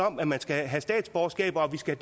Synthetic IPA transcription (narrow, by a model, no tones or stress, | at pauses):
ɒ̽mæmænsɡ̥æɦæsd̥ɛ̰ːd̥sb̥ɒːsɡ̥ɛ̰ːb̥ɒʋisɡ̥æd̥